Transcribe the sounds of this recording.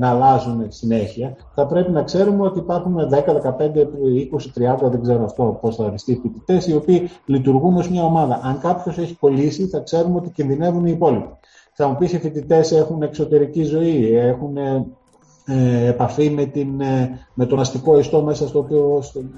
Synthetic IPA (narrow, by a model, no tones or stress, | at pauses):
nɐlɐzunsine̞çiɐ | θɐpɾe̞pinɐkse̞ɾumeo̞t̪iːpɐɾxunðe̞kɐðe̞kɐpe̞nd̪eiko̞sit̪ɾiɐnd̪ɐðeɡze̞ɾoɐft̪o̞posθɐfist̪ifit̪it̪e̞sio̞piːlit̪uɾɣuno̞zmɲɐo̞mɐðɐʔɐŋkɐpço̞se̞çiko̞lisiθɐkse̞ɾumot̪icinðine̞vuniːpo̞lipi̥ | ɐmupisifit̪it̪e̞se̞xune̞kso̞t̪e̞ɾicizo̞iexune | pɐfime̞t̪inme̞t̪o̞nɐst̪iko̞ist̪o̞me̞sɐst̪oːpios